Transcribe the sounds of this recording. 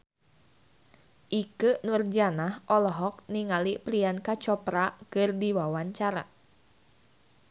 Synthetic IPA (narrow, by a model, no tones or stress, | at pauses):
ʔikənurd͡ʒanahʔɔlɔɦɔk̚niŋalipɾiankat͡ʃɔpɾakɨrdiwawaɲt͡ʃaɾa̰